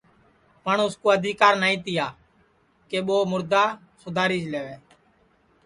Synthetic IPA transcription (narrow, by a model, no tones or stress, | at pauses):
pəɳʊskoːəd̪ʱiːkaːɾnaːĩːt̪ɪjaː | keːɓoːmʊɾd̪aː | sʊd̪ʱaːɾiːd͡ʒleːʋeː